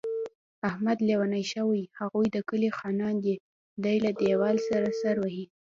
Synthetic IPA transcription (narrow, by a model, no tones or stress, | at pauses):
ahmad̪lewanajʃəwajhaɣujd̪əkəlixɑnɑnd̪i | d̪ajlad̪ewɑlsaɾasaɾwahi